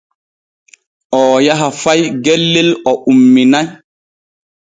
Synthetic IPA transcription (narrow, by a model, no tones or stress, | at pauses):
ʔɔːjaɦafajɡelːilɔʔumːinaj